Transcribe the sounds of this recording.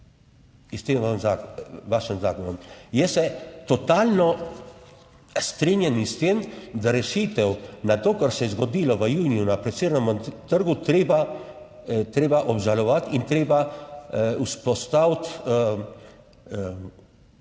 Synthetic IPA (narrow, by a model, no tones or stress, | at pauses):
ist̪emanzaʋaʃənzaːkɔnəmjɛsɛt̪ɔt̪alnɔ | st̪ɾinjɛnist̪eːmd̪aɾɛʃit̪ɛwnat̪oːkaɾsɛjɛzɡɔd̪iːlɔʋəjuːnijunapɾɛseɾnɛmt̪əɾɡut̪ɾeba | t̪ɾeːbaʔɔbʒalɔʋat̪int̪ɾeːba | uspɔst̪awt̪